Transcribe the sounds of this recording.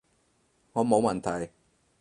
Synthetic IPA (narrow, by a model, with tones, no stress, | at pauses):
ŋɔː˨˧mo˨˧wmɐ˨˩nt̪ʰɐ˨˩j